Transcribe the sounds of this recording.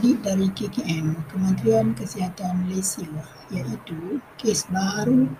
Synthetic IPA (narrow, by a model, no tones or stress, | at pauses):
diʔ̚daɾikekeʔɛmkəmə̃nt̪ɾiankəsiɦat̪anməlesila | jaʔit̪ukesbaɾu